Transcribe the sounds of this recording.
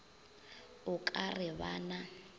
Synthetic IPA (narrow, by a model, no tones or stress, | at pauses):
ʊkʼarɪβana